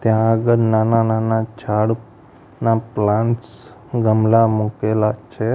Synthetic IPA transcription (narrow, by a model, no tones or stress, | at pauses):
t̪jãəɡəɾnanananat͡ʃʰaɽ | naplãns | ɡəmlamukelat͡ʃʰe